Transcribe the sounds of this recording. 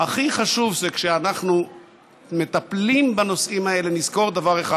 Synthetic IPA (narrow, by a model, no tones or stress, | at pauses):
aχiχaʃuvzekʃeanaχnu | me̞t̪aplimbano̞simae̞le̞nizko̞ʁd̪avaʁe̞χa